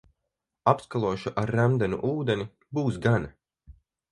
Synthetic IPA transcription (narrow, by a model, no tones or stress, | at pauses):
apskalˠuɔʃuʔaɾːæmd̪ɛnṵʔuːd̪ɛnʲi | buːsɡana